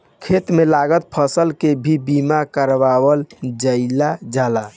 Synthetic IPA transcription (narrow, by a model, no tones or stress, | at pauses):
kʰet̪melaɡət̪̚pʰəsəlkebʱibimakəɾʋawəld͡ʒəɪlad͡ʒala